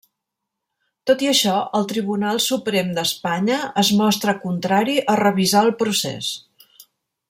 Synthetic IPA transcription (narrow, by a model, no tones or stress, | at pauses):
t̪ot̪iəʃɔəlˠt̪ɾiβ̞unalˠsupɾemd̪əspaɲəəzmɔst̪ɾəkunt̪ɾaɾiʔərəβizaəlˠpɾusḛs